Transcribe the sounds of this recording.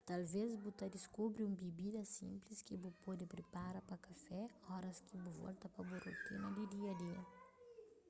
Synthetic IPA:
t̪alvezbut̪ɐd̪iskubɾũmbibid̪ɐsḭ̃mplɪskɪbupɔd̪ɪpɾepaɾɐpɐkafɛɔɾɐskɪbuvɔ̰lt̪ɐpɐburṵt̪inɐd̪ud̪iɐd̪iɐ̰

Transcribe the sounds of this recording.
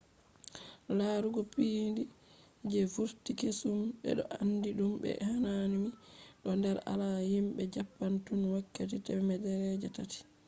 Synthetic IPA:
laːɾuɡɔpiːndi | d͡ʒɛfuɾtikesumɓɛ̰ɗɔ̰ʔanːdiɗumbɛ̰hananimiɗɔndɛɾa̰lahimɓɛd͡ʒapːantunwakːat̬itɛmɛdɛɾɛd͡ʒɛtati̥

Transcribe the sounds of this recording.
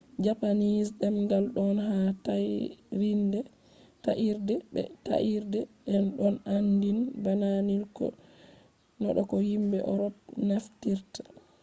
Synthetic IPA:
d͡ʒapanisɗɛmɡalɗɔnɦataɾindɛ | taʔiɾdɛɛ̰ta̰ʔiɾdɛɗɛnɗɔnandinbananilkɔ̰ | nɔ̰ɗɔkɔhimbɛʔɔɾɔpnaftiɾtḁ

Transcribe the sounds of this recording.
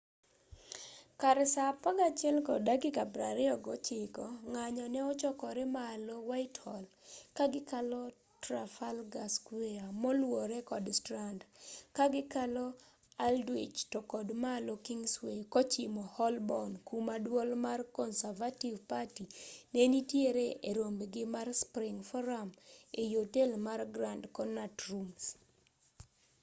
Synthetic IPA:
kaɾɛsapaɡat͡ʃɛlkɔdaɡikabɾaɾɪɔɡɔt͡ʃɪkɔŋaɲɔnɛɔt͡ʃɔkɔɾɛmaːlowaɪthɔlkaɡɪkalɔ | tɾafalɡaskweamɔlwoɾɛkɔdstɾandkaɡɪkalɔ | aldwḭt͡ʃtɔkɔdmalokiŋswekɔt͡ʃɪmɔhɔlbɔnkumadwɔlmarkɔnsavativpatinenitjeɾeeɾombɡɪmarspɾɪŋfɔɾamejotelmarɡɾandkɔnatrums

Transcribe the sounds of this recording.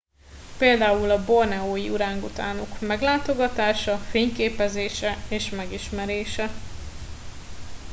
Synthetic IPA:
peːld̪aːulɒbo̞rnɛoːjiuɾaːŋkut̪aːnokmɛɡlaːt̪o̞ɡɒt̪aːʃɒfeːɲkeːpɛzeːʃɛeːʃmɛɡiʃmɛɾeːʃɛ

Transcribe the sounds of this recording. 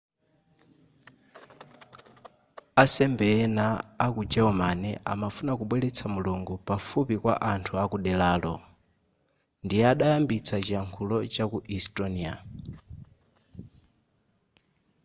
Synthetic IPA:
asɛmbɛnaːkud͡ʒɛɔmanɛʔa̰mafunakuɓwɛlɛt͡sʰamuluŋɡupafupikwa̰ʔantʰuakuɗɛlaːlɔ̰ | ndijɛaɗajambit͡sʰat͡ʃiaŋkʰulɔt͡ʃakuʔistʼɔnia̰

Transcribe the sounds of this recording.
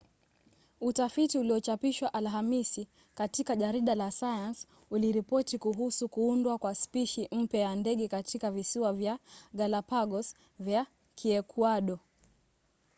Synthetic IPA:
utafitiuliɔt͡ʃapiʃwaʔalɦamisi | katikaʄaɾiɗalasajans | uliɾipɔtikuɦusukuundwakwaspiʃim̩pjajandɛɠɛkatʰikavisiwavjaɡalapaɠɔs | vja | kʰiɛkʰwaɗɔ

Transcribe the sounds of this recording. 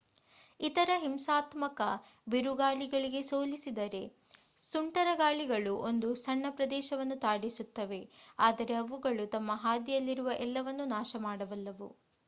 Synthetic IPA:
it̪ɐɾɐɦimsaːt̪mɐkɐbeɾuɡaːɭiɡɐɭiɡe̞soːlisid̪ɐɾe̞ | suɳʈɐɾɐɡaːɭiɡɐɭuʔo̞nd̪usɐɳːɐpɾɐd̪ɛːʃɐʋɐnːut̪aːɽisut̪ːɐʋe̞aːd̪ɐɾe̞ɐʋuɡɐɭut̪ɐmːɐɦaːd̪ijɐlːiɾuʋɐʔɛlːɐʋɐnːunaːʃɐmaːɽɐʋɐlːɐʋṵ

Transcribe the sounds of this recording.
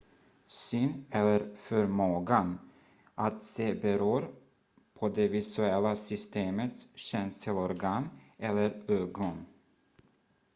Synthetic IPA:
syːnɛlːəɾfœɾmoːɡan | ʔat̪seːbɛɾuːɾ | pʰɔd̪ɛvɪsʉɛlːasʏst̪eːmət̪sɕɛnst̪ʰɪlɔɾɡɑːnɛlːəɾøːɡɔn

